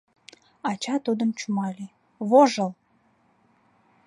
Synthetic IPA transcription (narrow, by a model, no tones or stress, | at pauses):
ɑt͡ɕɑt̪ud̪əmt͡ɕumɑle | βoʒəl